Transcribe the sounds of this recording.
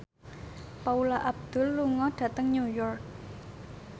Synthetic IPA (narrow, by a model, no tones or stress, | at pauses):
paulaʔab̚d̪̥ʊ̤lːuŋɔɖ̥ä̤t̪əŋɲujɔrk̚